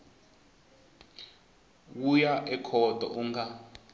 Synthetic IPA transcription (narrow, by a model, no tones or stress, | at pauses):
wujaʔɛkʰɔdʱɔ̰ʔuŋɡa